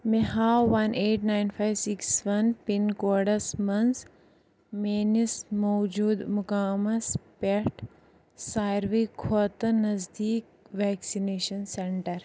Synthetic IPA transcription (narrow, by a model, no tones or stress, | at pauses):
meɦaːʋɐnʔeːʈnaːjnfʰajʋsiksʋɐnpinkoːɾɖɐsmɐns | meːnismoːd͡ʒuːd̪mʊkaːmɐspeʈ | saːɾʋikʰoːt̪ɐnɐzd̪iːk̚ | ʋɛːksineːʃɐnseɳʈɐɾ